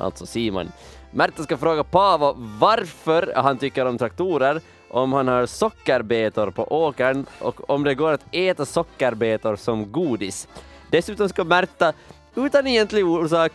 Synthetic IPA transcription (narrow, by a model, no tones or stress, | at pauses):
ʔa̰lt̪sɔsiːmɔ̰n | mæɾt̪ːaskafɾoːɡapʰɑːvavaɾfœɾhant̪ʏkːəɾɔmt̪ʰɾak̚t̪uːɾəɾ | ʔɔmhanhɑːɾsɔkːəɾbeːt̪ʊɾpʰɔ̰ʔoːkəɳʔɔ̰kɔmd̪ɛɡoːɾat̪ɛːt̪asɔkːəɾbeːt̪ʊɾsɔmɡuːd̪ɪs | d̪̥ɛsʉːt̪ɔmskamæɾt̪a | ʉːt̪anɛjɛnt̪lɪɡuːʂɑːk